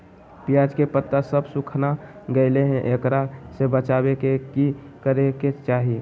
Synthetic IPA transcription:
pijaːd͡ʒkepət̪ːasəbsukʰnaɡəɪleɦɛ̃ʔekɾasebət͡ʃabekekikəɾeket͡ʃaːɦi

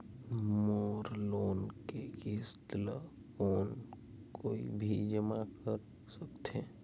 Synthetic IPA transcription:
moːɾloːnkekist̪lə | koːn | koːḭbʱid͡ʒəmakəɾ | səkt̪ẽ

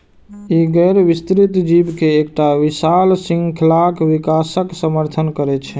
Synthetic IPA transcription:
iɡɛɾʋist̪ɾit̪d͡ʒibkeːkʈaʋisalsĩŋɡkʰlakʋikasəksəməɾt̪ʰənkəɾɛt͡ʃʰɛ

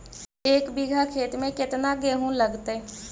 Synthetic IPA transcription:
eːkbiɡʱaːkʰeːt̪mẽkɪt̪naɡeːɦũːləɡt̪eː

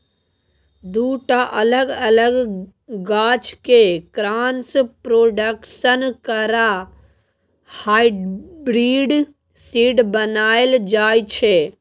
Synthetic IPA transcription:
d̪uːʈaʔələɡələɡ | ɡaːt͡ʃʰkekɾaːnspɾoːɖəkʃənkəɾa | haːibɾiːɖ | siːɖbənaːeld͡ʒaːjt͡ʃʰe

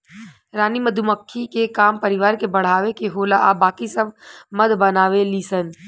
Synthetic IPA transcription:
ɾaːniməd̪ʱuməkʰːikekaːmpəɾɪʋaːɾkebɐɽ̤aːʋekeɦoːlaʔabaːkisɐbmɐd̪bɐnaːʋeliːsən

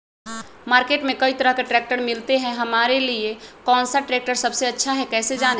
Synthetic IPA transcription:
maɾkeʈmẽkəit̪əɾəɦkeʈɾɛk̚ʈəɾmilt̪eɦɛ̃ɦəmaɾeliekɔːnsaʈɾek̚ʈəɾsəbseətːʃʰaɦɛkɛːsed͡ʒan

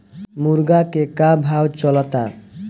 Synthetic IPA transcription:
muɾɡakekabʱɦawt͡ɕɔlat̪a

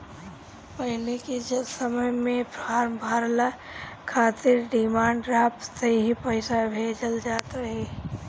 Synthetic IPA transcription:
pəɦɪleked͡ʒəlsəməjmẽbaːɾbʱaːɾla | kʰaːt̪ɪɾɖɪmãːɳɖɾaːpseɦipəɪsabʱeːd͡ʒəld͡ʒaːt̪aɦɛː

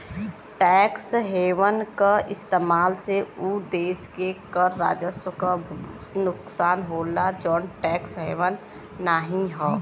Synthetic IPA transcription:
ʈɛːksɦeːʋənkaɪst̪eːmaːlseud̪eːskekəɾːa̰ːd͡ʒəswəkanʊksaːnɦoːlad͡ʒɔːnʈɛːksɦeːʋənː | aːɦĩɦɛː

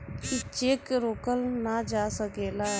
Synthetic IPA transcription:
ɪt͡ʃeːkɾoːkəlnad͡ʒaːsəɡeːla

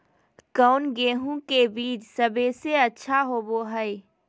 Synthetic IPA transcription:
kəʊnɡeːɦũkebiːt͡ʃsəbeseɐtːʃʰaɦoːboɦəɪ

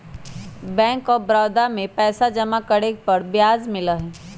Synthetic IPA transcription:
bɛ̃ːŋkɔːɾbɾaːd̪amẽpɛːsad͡ʒɐmakɐɽepɐɾbjaːzmɪlaɦɛː

